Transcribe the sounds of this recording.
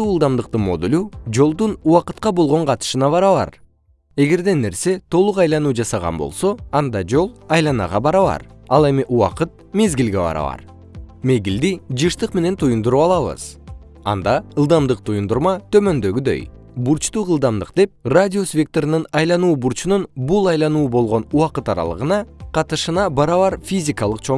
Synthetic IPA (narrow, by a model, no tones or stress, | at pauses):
uɯlˠd̪ɑmd̪ɯq̚t̪ɯmo̞̰d̪ulʲud͡ʒo̞lˠd̪unuwɑqɯt̪̚qɑbo̞lˠʁo̞ɴqʰɑt̪ɯ̥ʃɯnɑβɑɾɑβɑ̰ɾ | e̞ɡe̞ɾd̪e̞ne̞ɾse̞t̪ʰo̞lˠuqɑjlˠɑnuːd͡ʒɑsɑʁɑ̰nbo̞̰lˠso̞ɑnd̪ɑd͡ʒo̞lˠɑjlˠɑnɑ̰ʁɑbɑɾɑβɑ̰ɾɑlˠe̞miʔuwɑ̰qɯt̪̚me̞zɡilɡe̞bɑ̰ɾɑ̰βɑ̰ɾ | me̞ɡild̪id͡ʒɯʃt̪ɯqme̞ne̞nt̪ʰujund̪uɾuɑlˠɑβɯ̰z̥ | ɑ̰nd̪ɑɯlˠd̪ɑmd̪ɯq̚t̪ʰujund̪uɾmɑt̪ʰø̞mø̞nd̪ø̞ɡyd̪ø̞̰j | buɾt͡ʃt̪uːʁɯlˠd̪ɑmd̪ɯqd̪e̞p̚radʲio̞svʲek̚t̪oɾnɯnɑjlˠɑnuːbuɾt͡ʃununbulˠɑjlˠɑnuːbo̞lˠʁo̞nuɑqɯt̪ɑɾɑ̰lˠɯ̰ʁɯnɑqʰɑt̪ɯʃɯnɑbɑɾɑβɑɾfʲizʲikɑlˠɯqt͡ʃʰo